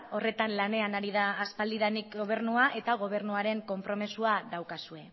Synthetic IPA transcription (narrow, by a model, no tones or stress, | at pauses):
o̞re̞t̪anlane̞anaɾiðaːspald̪iðanikɡo̞β̞e̞ɾnuaʔe̞t̪aɣ̞o̞β̞e̞ɾnuaɾe̞ŋko̞mpɾo̞misuaðawkasue̞